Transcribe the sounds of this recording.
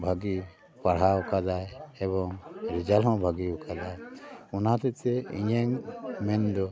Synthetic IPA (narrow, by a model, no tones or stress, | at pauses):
bʱaɡi | paɽ̤aukad̪ajɛbɔŋɾid͡ʒalɦɔ̃bʱaɡiukʰad̪ajunat̪ɛt̪ɛḭɲɛŋmɛnd̪ɔ